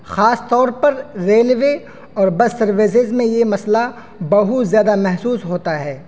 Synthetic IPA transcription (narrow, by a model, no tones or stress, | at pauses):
xaːst̪ɔːɾpɐɾɾeːlʋe | ɔːɾbɐssɐɾʋes̬ɪzmẽjemɐsla | bɐɦʊt̪zjaːd̪amɛɦsuːsɦoːt̪aɦɛː